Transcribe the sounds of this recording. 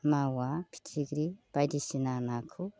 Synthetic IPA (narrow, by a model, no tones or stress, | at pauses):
mawapʰi̥tʰiɡɾib̥ajdisinanakʰu